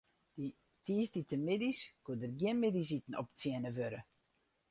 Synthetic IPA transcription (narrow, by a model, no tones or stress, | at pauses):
di | tiːsditəmɪdiskuədərɡjɪnmɪdis̬itn̩ɔ̰pt͡sjiənəʋøɾə